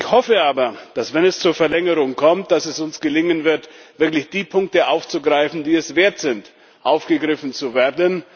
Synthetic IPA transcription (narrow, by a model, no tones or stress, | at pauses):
ɪçhɔfəaːbɐd̥asv̥ɛnɛst͡suːɐfɛɐlɛŋəʁʊŋkʰɔmt̚d̥asɛsʊnsɡ̥əlɪŋənvɪɐtv̥ɪɐklɪçd̥iːpʰʊŋk̚təʔaʊft͡suɡʁaɪfn̩diːɛsv̥eːɐtz̥ɪnt | ʔaʊfɡ̥əɡʁɪfn̩t͡suveːɐdən